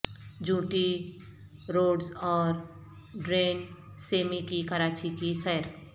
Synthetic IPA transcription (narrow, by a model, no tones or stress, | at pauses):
d͡ʒũːʈi | ɾoːɖzɔːɾ | ɖɾeːnseːmikikɐɾaːt͡ʃikisɛjɾ